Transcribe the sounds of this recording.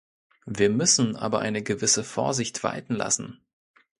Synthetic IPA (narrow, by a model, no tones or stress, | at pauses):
viːɐmʏsn̩ʔa̰ːbɐʔa̰ɪnəɡəvɪsəfoːɐzɪçtv̥a̰ɪtn̩la̰sn̩